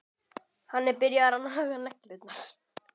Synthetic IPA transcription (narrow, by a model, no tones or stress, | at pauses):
hanːɛɾpɪɾjaðaɾanaɦaːɣanɛhklʏt̪naɾ̥